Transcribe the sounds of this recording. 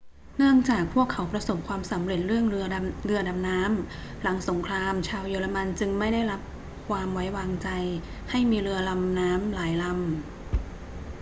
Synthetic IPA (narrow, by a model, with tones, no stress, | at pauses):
nɯ˥˩əŋt͡ɕaː˨˩k̚pʰu˥˩əkʰːa˩˦wpɾa˧so˨˩p̚kʰwaː˧msa˩˦mɾe˨˩t̪̚ɾɯ˥˩əŋɯ˧ɐɾɯ˧ɐda˧mnaː˦˥m | la˩˦ŋso˩˦ŋkʰɾaː˧mt͡ɕʰaː˧wjoː˧la˧ma˧nt͡ɕɯ˧ŋma˥˩jda˥˩jɾa˦˥p̚ | kʰwaː˧mwa˦˥jwaː˧ŋt͡ɕa˧j | ha˥˩jmiː˧ɾɯ˧ɐla˧mnaː˦˥mlaː˩˦jla˧m